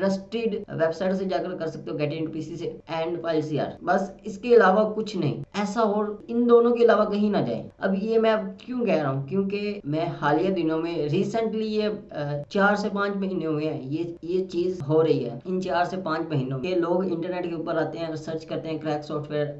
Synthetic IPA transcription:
ʈəsʈɪɖʋeːbsaːɪʈsed͡ʒaːkəɾkɐɾsɐk̚t̪ẽɦũɡɛːʈɪ̃ɪ̃ɳʈupiːsiseɛ̃ːɳɖpʰaːɪlsia̰ːɾbɐsɪskeɪlaːʋakʊt͡ʃʰnɐɦḭ̃ːɛːsaɦoːɪnd̪oːnõkeɪlaːʋakɐɦĩnad͡ʒa̰ːḛɐ̰bjemɛ̃kjũkɛːɾaɦũkjõːkemɛ̃ːhaːlijəɾd̪ɪnijõmẽɾiːsə̃ɳʈlijet͡ʃaːɾsepãːt͡ʃmɐɦiːnẽɦɦɛ̃ːjejet͡ʃiːzɦoɾɐɦiɦɛ̰ːɪnt͡ʃaːɾsepãːɲt͡ʃmɐɦiːnõmeeloːɡɪ̃ɳʈəɾneːʈkeuːpəɾaːt̪eɦɛ̃ɾɪsəɾt͡ʃkɐɾt̪eɦɛ̃kɾɛːksɔːfʈʰʋeːəɾ

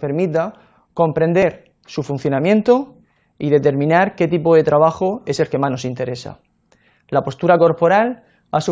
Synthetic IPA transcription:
pe̞ɾmit̪a | ko̞mpɾẽ̞nd̪e̞ɾ | sufun̟θjonãmjẽ̞nt̪o | iðe̞t̪e̞ɾmĩnaɾke̞t̪̬ipo̞ðe̞t̪ɾaβaxoe̞se̞lke̞mano̞sint̪e̞ɾe̞sa̰ | lapo̞st̪uɾako̞ɾpo̞ɾal | a̰su

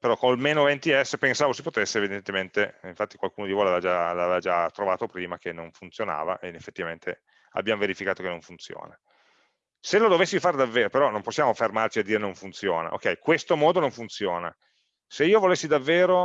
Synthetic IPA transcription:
peɾɔkolmeːnovent̪iɛsːpensaːvosipot̪esːeevid̪ent̪ement̪eiɱfat̪ːi̥kwalkuːnod̪ivojlavevad͡ʒalaavevad͡ʒat̪ːɾovaːt̪opɾiːmak̟enːoɱfunt̪sjona̰ːva̰ʔeinefːet̪ːivament̪ʰe | a̰bjamoveɾifikaːt̪okenːõɱfunt̪sjo̰ːna | selod̪ovesːifaːɾed̪avːeːɾopeɾɔnomposːjaːmofermart͡ʃiad̪iːɾenoɱfunt̪sjoːna̰ʔo̰kːɛjkwest̪omɔːd̪onõɱfunt̪sjoːna̰ | seiːovolesːid̪avːeːɾo

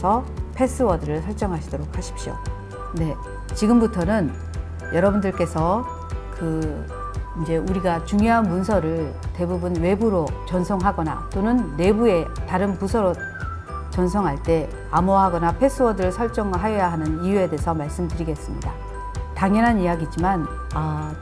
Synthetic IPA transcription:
sʰʌpʰe̞s͈ʰɯwʌdɯɾɯɭsʰʌɭt͡ɕ͈ʌŋɦaɕʰidoɾok̚ʰhaɕʰi̥p̚ɕio̰ | ne̞ | t͡ɕiɡɯmbutʰʌnɯn | jʌɾʌbundɯɭk͈e̞sʰʌ | kɯ | ind͡ʑe̞ʔuɾiɡat͡ɕuŋjoɦanmunsʰʌɾɯɭ | te̞bubunwe̞buɾot͡ɕʌnsʰʌŋɦaɡʌna̰t͈onɯnːe̞bue̞taɾɯnpusʰʌɾo | t͡ɕʌnsʰʌŋɦaɭt͈e̞ | amoɦaɡʌnapʰe̞s͈ʰɯwʌdɯɭsʰʌɭt͡ɕ͈ʌŋɦajʌjaɦanɯnijue̞de̞ːsʰʌmaɭs͈ɯmdɯɾiɡe̞s͈ɯmɲida | taŋjʌnɦanijaɡid͡ʑiman | a

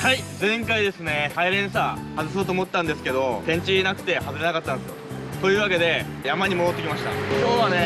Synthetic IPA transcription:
haid͡zẽ̞ŋkaid̪e̞sɨne̞haiɾẽ̞ɰ̃sahazɨs̬o̞ːt̪oːmot̪ːãnd̪esɨ̥ke̞d̪o̞pẽ̞ɲ̟t͡ɕinakɯ̟̥t̪e̞hazɨɾe̞nakat̪ːãnd̪esɨo | t̪o̞jɯ̟ːβake̞d̪e̞ | jamaɲ̟imo̞d̪o̞t̪ːekʲimaɕi̥t̪a̰soːdane̞

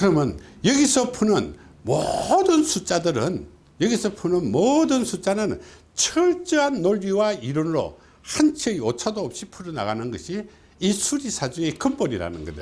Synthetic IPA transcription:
kɯɾʌmjʌnjʌɡisʰʌpʰunɯnmodɯnsʰut͡ɕ͈adɯɾɯn | jʌɡisʰʌpʰunɯnmodɯnsʰut͡ɕ͈anɯn | t͡ɕʰɯɭt͡ɕ͈ɯɦanːoɭjiwaiɾonɾo̰ | hant͡ɕʰeiot͡ɕʰadoːp̚ɕ͈ipʰuɾɯna̰ɡanɯnɡʌ̰ɕʰiː | sʰuɾisʰad͡ʑuekɯmponiɾa̰nɯ̰nɡʌ̰dḛ

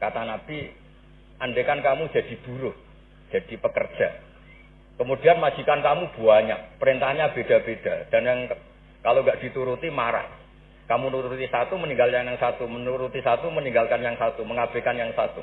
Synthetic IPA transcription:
kat̪anab̥i | ʔandekankamud͡ʒad̥i̤b̥uɾʊt̪̚ | d͡ʒ̥ad̥ipəkər̥d͡ʒ̥a | kəmud̥ianmad͡ʒikankamub̥uaɲa̰pəɾint̪ahɲab̥ed̥a̤bed̥ad̥anjaŋ | kaloŋɡaʔd̥it̪uɾut̪imaɾa̰h | kamunuɾɾut̪isat̪uməniŋɡaljaŋjaŋsat̪umənuɾut̪isat̪uməniŋɡalkanjaŋsat̪uməŋab̥ekanjaŋsa̰t̪ṵ

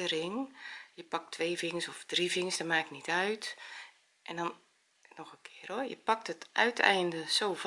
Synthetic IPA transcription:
ərɪŋjəpɑk̚tʰːʋeːvɪŋəsɔfd̥rivɪŋəsdɔmaːknitœɥt | ʔɛndɔn | nɔxəkʰɪərojə̰pɑk̚tətœ̰ɥtʰɛ̰jndəsoːv

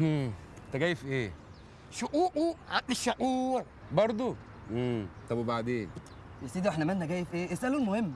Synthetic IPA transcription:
ʔː | t̪æɡæːjefʔeː | ʃoʔuːʔuʕaleʃːaʔuːɾ | bɑɾˤd̪ˤo | ʔeːt̪ˤɑbwebaʕd̪eːn | jesiːd̪iweħnæmænːæɡæːjefʔeːʔesʔælolmohemː

